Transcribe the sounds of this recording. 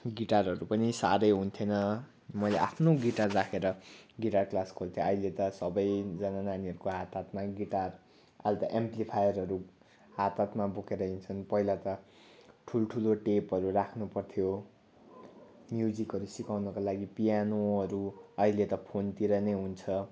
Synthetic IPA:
ɡiʈarɦʌɾupʌnisa̰ɾʌjɦunt̪ʰjenʌ | mʌjleʔapʰnoɡiʈarːakʰeɾʌɡiʈarklaskʰolt̪ʰjoʌɦilet̪ʌsʌbʌjd͡zʌnananiʌɾukoɦat̪at̪maɡiʈar | a̰lt̪ʌʔemplipʰajʌrɦʌɾu | ɦat̪at̪mabokeɾʌɦint͡sʰʌnpʌɦilat̪ʌ | ʈʰulʈʰuloʈepʌɾurakʰnupʌrt̪ʰjo | njud͡zikɦʌɾusikawnʌkalaɡipijanoʌɾuʌɦilet̪ʌpʰont̪iɾʌnʌjɦunt͡sʰʌ

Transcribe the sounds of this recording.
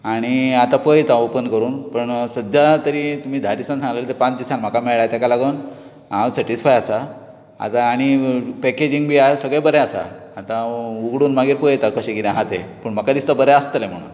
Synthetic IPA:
aɽ̃iat̪ãpəjt̪aopənkəɾuːnpəɳsəd̪jat̪əɾit̪um̤iːd̪ʱaɾisãnt͡s̪ʰãŋɡlalet̪epãt͡sd̪isanm̤akameɭɭajt̪akalaɡən | ãwsɛʈisfajasa | a̰t̪aːɽ̃ipɛked͡ʑiŋɡbʱiːasəɡɭebəɾɛasa̰ːt̪ãuɡɽuːnmaɡiːɾpəjt̪akəɕẽɡiɾeɦat̪epəɳm̤əkad̪ist̪əbəɾɛast̪əlem̤əɽ̃ṵːn

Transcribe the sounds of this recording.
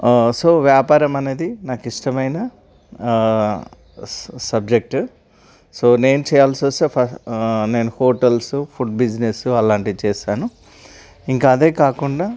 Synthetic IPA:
so̞ːʋjaːpaːɾɐmɐne̞ːd̪inaːkiʂʈɐmɐjnɐ | sɐb̚d͡ʒe̞k̚ʈu | so̞ːne̞ːnut͡ʃɛːjaːlsʋost̪eːpʰɐne̞ːnuhoːʈɐlsupʰuɖ̚bid͡ʒnesuɐlaːɳʈit͡ʃɛːʃaːnu | iŋkaːd̪e̞ːkaːkuɳɖaː

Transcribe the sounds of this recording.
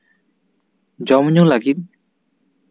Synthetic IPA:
d͡ʒɔmɲulaɡit̪̚

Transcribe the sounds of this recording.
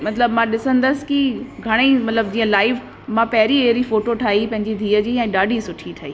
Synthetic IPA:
mɐt̪ləbmãɗɪsə̃nd̪əsɪ̥̆kiɡʱɐɽ̃emɐt̪ləb̚d͡ʑiːə̃laːɪf | mãpɐɦɪɾieːɾifoːʈoʈʰaːipɐ̃ɦɪ̃ɲd͡ʑid̪ʱiːəd͡ʑiːɛ̃ːɗaːɖʱisʊʈʰiʈʰaːɦiː

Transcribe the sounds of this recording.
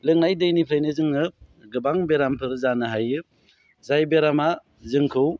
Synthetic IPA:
lɯŋnajdɯjnipʰajnɯzɯŋɯ | ɡɯbaŋbeɾampʰɯɾzanɯɦajɯ | zajbeɾama | zɯŋkʰɯw

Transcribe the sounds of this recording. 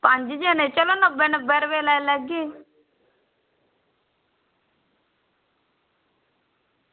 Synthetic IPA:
pəɲd͡ʒd͡ʒeːneːt͡ʃəlõːnəbeːnəbeːɾʋeːlɛlɛɡeː

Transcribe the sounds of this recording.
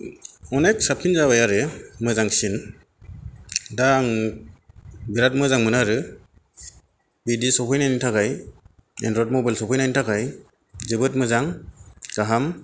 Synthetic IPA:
ɔneksap̚tʰinzaβajaɾɯmɯzaŋsin | daŋ | biɾat̚mɯzaŋmɯnaɾɯ | bidisɔpʰɔjnajnitʰakaj | ḛndɾɔt̚mɔbajlsɔpʰɔjnajnintʰakaj | zɯbɯt̚mɯzaŋɡ̥aɦam

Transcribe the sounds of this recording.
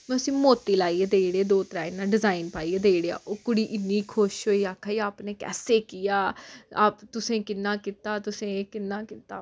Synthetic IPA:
mɛ̃əsĩːmoːt̪ːiːlaːiːeːd̪eːiɽeːd̪oːt̪ɾaːɪnːãːɖɪzaːinpaːiːeːd̪eːiɽeːa̰ːʔoːkʊɽiːʔɪnːiːkʰoːʃɦoːiːaːkʰaːiːaːpneːkɛ̰ːseːkɪjaːaːpt̪ʊsẽːkɪnːãːkɪt̪aːt̪ʊsẽːkɪnːãːkɪt̪aː

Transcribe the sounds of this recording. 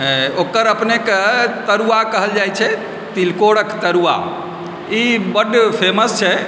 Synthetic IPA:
okəɾəpneket̪əɾuakəɦəld͡ʒajt͡ʃʰɛ | t̪ilkoɽəkt̪əɾua̰ | ibəɖpʰeməst͡ʃʰɛ

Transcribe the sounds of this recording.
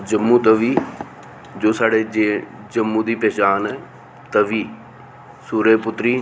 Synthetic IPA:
d͡ʒəmːũːt̪əʋiː | d͡ʒoːsaːɽeːe | d͡ʒəmːũːd̪iːpɛːt͡ʃaːnɛː | t̪əʋiː | suːɾeːpʊt̪ɾiː

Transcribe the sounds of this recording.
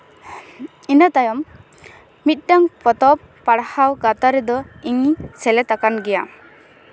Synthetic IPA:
inət̪ajɔmː | it̪̚ˀʈaŋpɔt̪ɔp | paɽhawɡat̪aɾɛd̪ɔiŋsɛlɛt̪akanɡɛja

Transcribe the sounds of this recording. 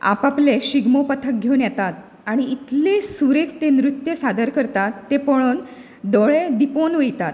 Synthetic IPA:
a̰papleɕiɡmopət̪ʰək̚ɡʱewnjɛt̪at̪ | aɽ̃iit̪lesuɾek̚t̪enɾut̪jəsad̪əɾkəɾt̪at̪ːepəɭ̃oːn | d̪ɔɭed̪iponʋejt̪at̪

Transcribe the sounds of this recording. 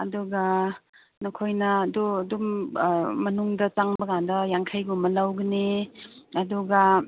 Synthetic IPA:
ɐduɡa | nokʰojnɐdudum | mɐnuŋdɐt͡ʃaŋbɐɡandɐjaŋkʰajɡumɐlawɡɐne | ɐduɡa

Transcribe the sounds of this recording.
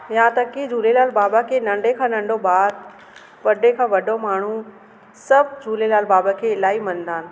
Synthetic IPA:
jãt̪ɐkid͡ʑʱuːlelaːlbaːbakʰeːnɐ̃ɳɖʱekʰãːnɐ̃ɳɖʱobaːɾ | ʋɐɖekʰãːʋɐɖʱomaːɳ̤u | sɐb̚ʱd͡ʑʱuːlelaːlbaːbakʰeːɪlaːimɐ̃ñnd̪aːnɪ̆

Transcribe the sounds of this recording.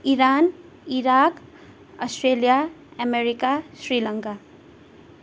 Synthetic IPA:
iɾan | iɾak | ɔsʈɾeljaɛmeɾikasɾilʌŋka

